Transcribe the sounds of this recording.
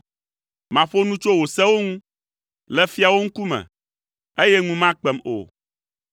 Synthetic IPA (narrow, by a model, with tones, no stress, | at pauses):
mã˨ɸo˦nũ˦t͡ʃo˦wo˨sɛ˦wo˦ŋũ˦ | lɛ˦fi˦a˨wo˦ŋ̩˦ku˦mɛ̰̃˨ | e˦jɛ˦ŋũ˦mã˦k͡pɛ˨mo̰˨